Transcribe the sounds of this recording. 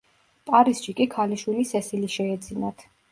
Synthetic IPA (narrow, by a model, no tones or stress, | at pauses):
pʼaɾisʃikʼikʰaliʃwilisɛsiliʃɛɛd̪zinat̪ʰ